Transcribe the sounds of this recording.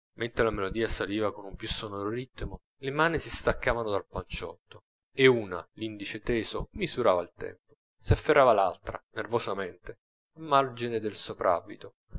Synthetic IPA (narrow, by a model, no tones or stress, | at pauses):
ment̪ɾelamelod̪iːasaliːvakonumpjusːonoɾoɾit̪ːmo | lemaːnisist̪akːaːvanod̪alpant͡ʃɔ̰t̪ːo | euːna̰lind̪it͡ʃet̪eːsomizuɾa̰ːvailt̪ɛ̰mpo̥ | siafːerːaːvalalt̪ɾanervozament̪e | amːard͡ʒined̪elsopɾʔa̰vit̪o